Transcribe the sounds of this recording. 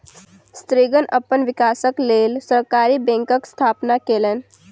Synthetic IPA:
st̪ɾiɡənʔəpəɳʋikasəklelsəɾkaɾiːbẽŋkəkst̪ʰapnakelẽn

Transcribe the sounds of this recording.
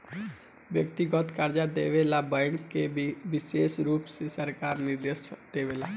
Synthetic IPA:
ʋjəkt̪iɡɔt̪kəɾd͡ʒaːd̪eːʋeːlaːbəŋkːeʋɪseːsɾuːpsesəɾkaːɾnɪɾd̪esd̪eːʋeːlaː

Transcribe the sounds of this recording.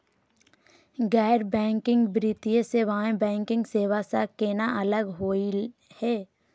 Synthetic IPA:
ɡɛːɾbɛ̃ːŋkɪ̃ŋɡbɾit̪iẽseʋaɦẽbɛ̃ːŋkɪ̃ŋɡseːʋasakenaʔɐləɡɦoːihɛː

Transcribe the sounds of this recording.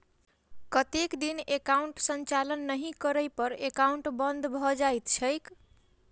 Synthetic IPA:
kʌt̪ekd̪inekawɳʈsənt͡ʃalənːəɦĩkʌɾəjpʌɾekawɳʈbʌnd̪ʱbʱʌd͡ʒajt̪t͡ʃʰʌjk

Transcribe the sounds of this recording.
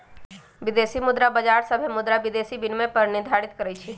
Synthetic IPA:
ʋid̪esimʊd̪ɾabəd͡ʒaɾsəbʱemʊd̪ɾabid̪esibinmẽpəɾnɪd̪ʱaɾit̪kəɾɛt͡ʃʰɛ

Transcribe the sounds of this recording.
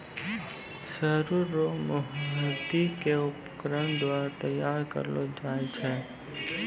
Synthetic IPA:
səɾuɾːomʊɦɦəd̪ikeʊpkəɾəɳ̃d̪waːɾat̪ɐjaːɾkə̰ɾlod͡ʒaːet͡ʃʰɛ

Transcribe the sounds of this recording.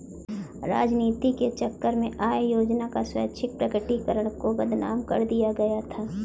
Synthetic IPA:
ɾa̰ːd͡ʒniːt̪iket͡ʃɐkːəɾmẽʔaːjjoːd͡ʒnakaswɐ̰jət̪ːʃʰɪk̚pɾɐkəʈikəɾəɽ̃koɡɐd̪ʱna̰ːmkɐɾd̪ijaɡɐjat̪ʰaː

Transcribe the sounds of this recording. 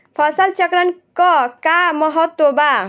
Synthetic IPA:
pʰʌsʌlt͡ʃʌkɾʌnkʌkamʌɦʌt̪woba

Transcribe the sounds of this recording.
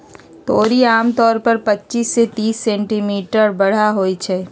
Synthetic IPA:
t̪oːɾiaːmt̪ɔːɾpɐɾpɐtːt͡ʃisːet̪iːsːɛ̃ːɳʈimiːʈəɾbɐɽ̤aɦoːit͡ʃʰɛː

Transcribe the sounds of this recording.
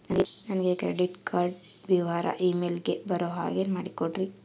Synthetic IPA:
nɐnɡenɐnɐɡekɾeɖiʈkʰaːɾɖ | ʋiʋaːɾɐ̰ʔiːmeːlɡebɐɾoːɦa̰ːɡeːnmaːɽikoɖɾi

